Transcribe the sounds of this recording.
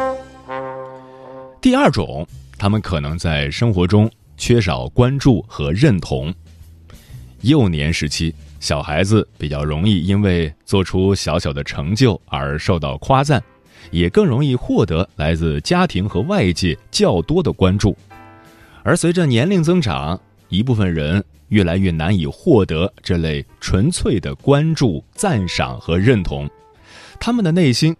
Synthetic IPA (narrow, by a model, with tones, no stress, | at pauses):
t̪i˥˧ɐ˞˥˩ʈ͡ʂʊ̰˨˩˦ŋt̪ʰa˥mə˨nkʰɤ˨˩nɤ˧˥ŋt͡sa˥˩ɪʂɤ˥ŋxwɔ˧˥ʈ͡ʂʊ˥ŋ | t͡ɕʰɥɛ˥ʂ̬ɑ˨˩ʊkwa˥nʈ͡ʂu˥˩xɤ˧˥ɻə˥˩nt̪ʰʊ̰˧˥ŋ | jo˥˩ʊnjɛ̰˧˥nʂɻ̩˧˥t͡ɕʰi˥ɕjɑ˨˩ʊxa˧˥ɪd͡zɹ̩˧pi˨˩t͡ɕjɑ˥˩ʊɻʊ˧˥ŋi˥˩i˥nwe˥˧ɪt͡swɔ˥˩ʈ͡ʂʰu˥ɕjɑ˧˥ʊɕjɑ˨˩ʊd̪ə˦ʈ͡ʂʰɤ˧˥ŋt͡ɕjo˥˩ʊə̰˞˧˥ʂo˥˧ʊt̪ɑ˥˩ʊkʰwa˥t͡sa˥˩n | jɛ˨˩kɤ˥˩ŋɻʊ˧˥ŋi˥˧xwɔ˥˩t̪ɤ˧˥la˧˥ɪt͡sɹ̩˥˧t͡ɕja˥t̪ʰi˧˥ŋxɤ˧˥wa˥˧ɪt͡ɕjɛ˥˩t͡ɕjɑ˥˩ʊt̪wɔ˥d̪ə˨kwa˥nʈ͡ʂu˥˩ | ə˞˧˥swe˧˥ɪʈ͡ʂə˧njɛ˧˥nli˥˩ŋt͡sɤ˥ŋʈ͡ʂa̰˨˩˦ŋ | i˧˥p̬u˥˩fə˩nɻə˧˥n | ɥɛ˥˩la˧˥ɪɥɛ˥˩na˧˥ni˨˩xwɔ˥˩t̪ɤ˧˥ʈ͡ʂɤ˥˧le˥˩ɪʈ͡ʂʰwə˧˥nt͡sʰwe˥˩ɪd̪ə˩kwa˥nʈ͡ʂu˥˩t͡sa˥˩nʂɑ̰˨˩ŋxɤ˧˥ɻə˥˩nt̪ʰʊ̰˧˥ŋ | t̪ʰa˥mə˨nd̪ə˩ne˥˩ɪɕi˥n